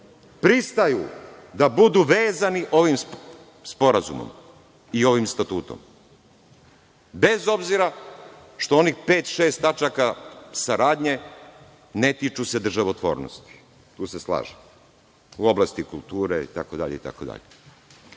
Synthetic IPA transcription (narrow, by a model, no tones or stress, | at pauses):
pɾist̪ajṵd̪abud̪uʋeːzaniʔo̞ʋim | spo̞ɾazṵmo̰m | io̞ʋimst̪at̪uːt̪o̞̰m | be̞zo̞bziɾa | ʃt̪o̞o̞nixpe̞ːt̪ʃe̞ːst̪at͡ʃakasaɾaːd̪ɲe̞ | ne̞t̪it͡ʃuse̞d̪r̩ʒaʋot̪ʋo̞ːɾno̰st̪i̥ | t̪uːse̞slˠa̰ːʒe | uo̞blast̪ikulˠt̪uːɾeḭt̪akod̪a̰ʎeit̪a̰kod̪a̰ʎe